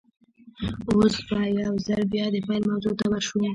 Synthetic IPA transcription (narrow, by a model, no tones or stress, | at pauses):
osbajawzaɾbjɑd̪əfajlmawzot̪awaɾʃu